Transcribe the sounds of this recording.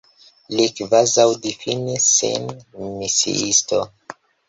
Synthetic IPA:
likvazawdifinisḛnmisḭʔisto

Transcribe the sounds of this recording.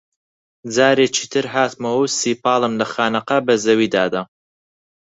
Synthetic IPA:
d͡zaːɾeːt͡ʃʰiːt̪ʰɨɾɦaːt̪mɐwɐwsiːpɑːlˠɨmlɐxaːnɐqɐbɐzɐwiːd̪aːd̪ɐ

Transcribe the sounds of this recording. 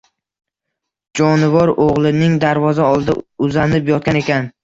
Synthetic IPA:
d͡ʒɒnɪvɒɾoʁlˠɪnɪŋd̪aɾvɒzaɒlˠd̪a̰ʊzanɪpjɒt̪̚kʲane̞kʲan

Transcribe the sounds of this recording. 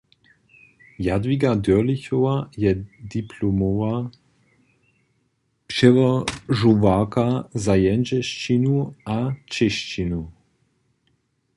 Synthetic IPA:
jad̪viɡad̪øliçɔvajɛd̪ipʰlomɔva | pʃɛvəʒuvakazajɛnd͡ʒɛʃt͡ʃinuat͡ʃɛʃt͡ʃinu

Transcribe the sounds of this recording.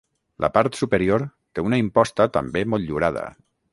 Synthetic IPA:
lʔə̰paɾt̪supəɾioɾt̪eunəimpɔst̪ət̪ə̰mbemɔlʎuɾað̞ə̰

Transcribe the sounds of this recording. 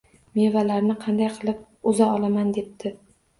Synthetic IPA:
me̞valaɾnɪqʰɑnd̪ajqʰɨlˠɪp̚ | ʊzaɒlˠamand̪e̞p̚t̪ʰɪ

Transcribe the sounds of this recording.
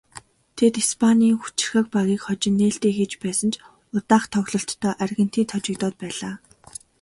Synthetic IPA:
t̪ʰet̪ispʰanʲiːŋxu̥t͡ɕɪ̥̆rxə̆kpaɣʲiːkχɔt͡ɕɪ̆nːeːɬt̪eːxet͡ɕpæːsə̆nt͡ɕ | ʊt̪aːχt̪ʰɔɣɮɞ̆ɬt̪ʰːœːʔærɣə̆n̥t̪iːt̪ʰɔt͡ɕɪ̆kt̪ɔːt̪̚pæːɮaː

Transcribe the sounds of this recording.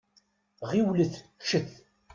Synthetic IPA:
ʁiwləθʃəθ

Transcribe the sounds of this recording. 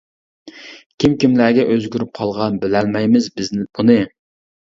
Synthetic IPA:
kʲʰimkʲimlæːɡʲɛʔøzɡʲyɾyp̚qʰɑlˠʁɑnbɪlælmɛjmɪzbɪznb̥unɨ

